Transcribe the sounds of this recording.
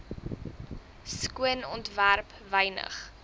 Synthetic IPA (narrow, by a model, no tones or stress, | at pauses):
skuənɔntværp | vəjnə̰χ